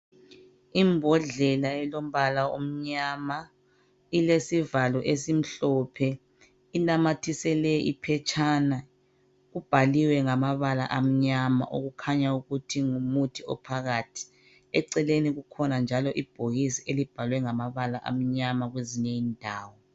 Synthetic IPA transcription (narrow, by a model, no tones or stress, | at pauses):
imbʱɔɮɛlaɛlom̩βalao̰m̩ɲama | ilesivalɔʔesim̩ɬɔpʰɛ | ilamatʰisɛlɛʔipʰɛt͡ʃʰʼana | ɣub̥ʱaliwɛŋamaβala̰ʔam̩ɲama̰ʔoɣukʰaɲauɣutʰiŋumutʰiɔ̰pʰaɣaːtʰi̥ | ɛǀɛleniɣukʰɔnand͡ʒʱalɔʔib̥ʱoɣisiʔelib̥ʱalwɛŋamaβalaʔa̰m̩ɲamaɣweziɲɛiːndʱaːwɔ